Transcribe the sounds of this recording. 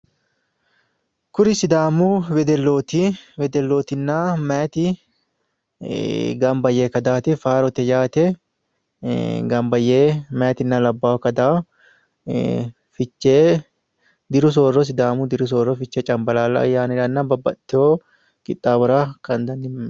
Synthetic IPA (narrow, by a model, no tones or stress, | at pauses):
kʊɾɪsɪd̪aːmʊwɛd̪ɛlːoːt̪ɪwɛd̪ɛlːoːt̪ɪnːaːmɐjt̪ɪ | ɡɐmbɐjːeːkɐd̪aːt̪ɪfaːɾɔt̪ɛd͡ʒaːt̪ɛ | ɡɐmbɐjːeːmɐjɐt̪ɪnːalɐbːaːwkɐd̪aː | fɪt͡ʃːeː | d̪ɪɾʊs̬o̞ːrːɔs̬ɪd̪aːmʊd̪ɪɾʊs̬oːrːɔfɪt͡ʃːɛt͡ʃʼɐmbɐlaːlɐ̰ɐ̰jːaːnɪɾɐnːabɐbːɐ̰t̪ːɪoː | kʼɪt̪ʼːaːbɐɾaːkɐnd̪ɐnːɪ